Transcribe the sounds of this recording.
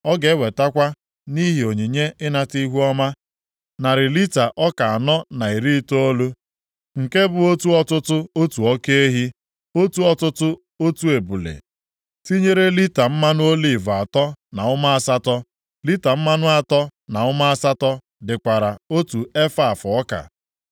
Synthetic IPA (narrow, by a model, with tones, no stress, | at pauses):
ɔ˦ɡe˨˦we˨ta˦kʷa˦ | ni˦ɦi˨o˨ɲi˨ɲe˦ɪ˦na˨ti˦ɦu˦ɔ˦ma˦ | na˨ɾɪ˨li˦ta˨ʔɔ˦ka˨a˨nɔ˦na˨i˨ɾi˦to˦o˦lu˦ | ŋ̩˨ke˦bʊ˨o˦tu˦ɔ˦tʊ˦tʊ˦o˦tu˨ɔ˦ke˦e˦ɦi˦ | o˦tu˦ɔ˨tʊ˦tʊ˦ | o˦tu˦e˨bu˨lḛ˨ | ti˦ɲe˦ɾe˦li˦ta˨m̩˦ma˦nʊ˦o˦li˨va˨tɔ˦na˨ʊ˦ma˦a˦˨sa˦tɔ˦ | li˦ta˨m̩˦ma˦nʊ˦a˨tɔ˦na˨ʊ˦ma˦a˦sa˦tɔ˦ | dɪ˨kʷa˨ɾa˨o˦tu˨e˦fa˦˨fɔ˦ka̰˨